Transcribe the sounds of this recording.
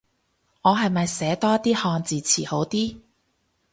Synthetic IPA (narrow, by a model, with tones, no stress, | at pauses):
ŋɔː˨˧ɦɐ˨jmɐ˨jsɛː˨˥t̪ɔː˥t̪ːiː˥hɔː˧ŋt͡siː˨t͡sʰiː˨˩ho˨˥wt̪iː˥